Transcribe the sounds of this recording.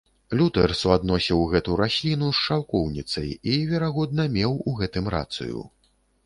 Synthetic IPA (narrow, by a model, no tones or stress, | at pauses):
lʲut̪ɛrsuad̪nɔsʲiwɣɛt̪uɾasʲlʲinusʂawkɔwnʲit̪sɐ̰jivʲɛɾaɣɔd̪nɐmʲɛwuɣɛt̪ɨmɾa̰t̪sɨ̰jṵ